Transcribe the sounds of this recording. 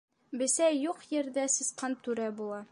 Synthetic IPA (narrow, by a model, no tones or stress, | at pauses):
bɘ̆sæjuqjɘ̆ɾðæsɤ̆sqɑnt̪ʉɾæbulˠɑ